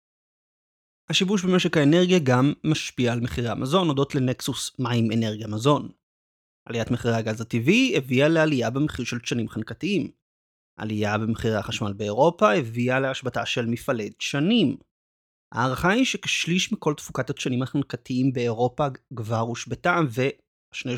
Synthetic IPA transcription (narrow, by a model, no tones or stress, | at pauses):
haʃibuʃ̬beme̞ʃe̞khaene̞ʁɡijaɡamːaʃpiaːlmeχiʁea̰mʔazo̞no̞do̞tleneksusmaimene̞ʁɡiamazo̞n | ʔalijatmeχiʁeaɡazativievialealijabemeχiʁʃe̞lʃanimχankatiim | ʔa̰lijabemeχiʁeaχaʃmalbeeʁo̞pahevialeaʃbataʃelmifale̞d̚ʃanim | ha̰ːʁaχaiʃeke̥ʃliʃmiko̞ltfukataʃanimhaχankatiimbe̞ːʁo̞paɡvaʁuʃbetamve̞ | aʃne